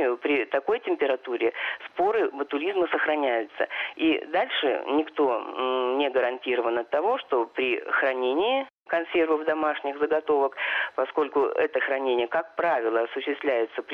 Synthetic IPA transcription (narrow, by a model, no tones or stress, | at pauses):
ɪjʊpɾʲɪt̪ɐko̞jtʲɪmʲpʲɪɾɐt̪uɾʲɪspo̞ɾɨbət̪ʊlʲizməsəxɾɐnʲæjʊt̪sə̰ḭd̪alʲʂɨ̰nʲɪkt̪o̞nʲɪɡəɾɐnʲtʲiɾəvənɐt̪ːɐvo̞ʂt̪o̞pɾʲɪxɾɐnʲenʲɪː | kɐnsʲe̞rvəvd̪ɐmaʂnʲɪɣzəɡɐt̪o̞vəkpɐsko̞lʲkʊɛ̰t̪əxɾɐnʲenʲɪjəkak̚pɾavʲɪlˠəɐsʊɕːɪst̪vlʲæjɪt̪səpʲ